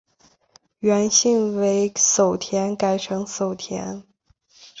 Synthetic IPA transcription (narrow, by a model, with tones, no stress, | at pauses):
ɥɛ˧˥nɕi˥˩ŋwe˧˥ɪso˨˩ʊt̪ʰjɛ˧˥nka˨˩ɪʈ͡ʂʰɤ˧˥ŋso˨˩ʊt̪ʰjɛ̰˧˥n